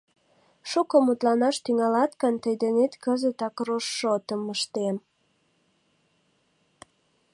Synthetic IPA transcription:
ʃukomut̪lɑnɑʃt̪yŋɑlɑt̪kənt̪əjd̪enet̪kəzət̪ɑkroʃːot̪əməʃt̪em

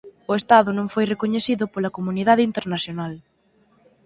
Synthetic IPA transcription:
ʊest̪aðʊnõŋfojrekoɲeθiðʊpolɐkomuniðaðɪint̪eɾnaθjonal

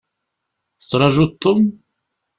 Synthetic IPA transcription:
θə̥t͡sːɾˤɑʒut̪ˤːom

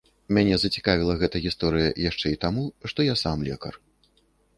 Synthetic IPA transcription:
mʲanʲɛzɐt͡sʲi̥kavʲilˠɐɣɛt̪ɐɣʲist̪ɔɾɨjɐjaʂt͡ʂɛit̪amuʂt̪ɔjasamlʲɛ̰kɐ̰r

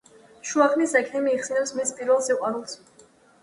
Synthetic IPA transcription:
ʃuaχnisɛkʰɛmiːχsinɛpsmispʼiɾvɛlˠsiqʼwaɾulˠs

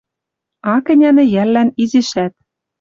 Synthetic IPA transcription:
ɑkɘ̆nʲænɘ̆jælːænizɘ̆ʃæt̪̚

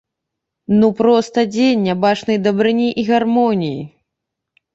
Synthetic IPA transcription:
nupɾɔst̪ɐd͡zʲenʲːabat͡ʂnɐjd̪ɐbɾɨnʲiʔiɣarmɔnʲiji

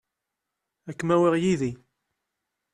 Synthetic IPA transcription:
ækːmæwiʁjiði

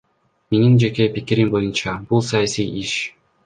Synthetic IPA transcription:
menind͡ʒeke̞pikiɾimbo̞junt͡ʃɑb̥ulˠsɑjasijiʃ

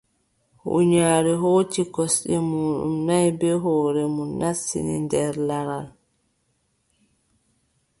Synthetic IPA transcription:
hṵɲaːɾɛɦoːtikɔsɗɛmuːɗṵmnajbɛɦɔːɾɛmunːasːḭnḭndɛɾlaɾal

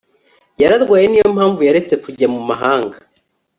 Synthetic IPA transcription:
jaɾaɾɡwaːjeniːjo̞m̥haːɱvujaɾe̞t͡se̞kuɟamumaɦaːŋɡa

